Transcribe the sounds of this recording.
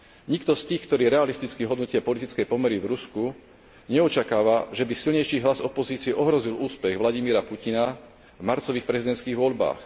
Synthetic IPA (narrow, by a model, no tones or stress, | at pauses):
ɲikt̪ɔst̪iːxkt̪ɔɾiːɾɛalist̪it͡skiɦɔd̪nucɪapɔlit̪it͡skɛjpɔmɛɾivɾusku | ɲɛɔt͡ʃakaːʋaʒɛbisilɲɛjʃiːɦlazɔpɔziːt͡siɪɛʔɔɦɾɔziluːspɛɣʋlaɟimiːɾapucina | vmaɾt͡sɔʋiːxpɾɛzid̪ɛnt̪t͡sskiːɣʋɔʎba̰ːx